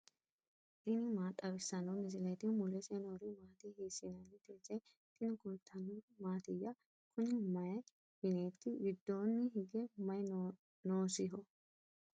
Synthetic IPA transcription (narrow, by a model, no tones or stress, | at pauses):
ʔɪnɪmaːt̪ʼɐbɪsːɐnɔmɪzɪlet̪ɪmʊlɛsenoɾɪmaːt̪ihiːsɪnɐnːɪt̪eːzɐj | t̪ʼɪnkʊlt̪ʰːɐnomaːt̪ɪjːɐ | kʊnɪmɐjɐ | hɪnet̪ːɪɡɪd̪ːo̞ːnːɪɦɪɡɛmɐj | noːsɪɦɔ